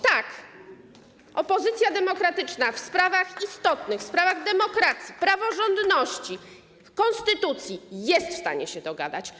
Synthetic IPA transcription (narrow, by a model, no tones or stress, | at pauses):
t̪ak | ʔɔpɔzɘt̪sʲjad̪ɛmɔkɾat̪ɘt͡ʂnafspɾavaxist̪ɔt̪nɘxspɾavaɣd̪ɛmɔkɾat̪sʲipɾavɔʐɔnd̪nɔɕt͡ɕi | fkɔnst̪ɘt̪ut̪sʲjijɛst̪fst̪a̰ɲɛɕɛd̪ɔɡa̰d̪a̰t͡ɕ